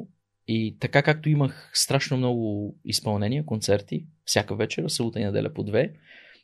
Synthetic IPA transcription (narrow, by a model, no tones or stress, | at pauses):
it̪ɐkakak̚t̪oiməxst̪ɾaʃnomnɔɡʊḭspɐlˠnɛnʲiəkont̪sɛɾt̪ifsʲjakəvɛt͡ʃɛɾəsɐlut̪əinɐd̪ɛ̰lʲʔɐpod̪vɛ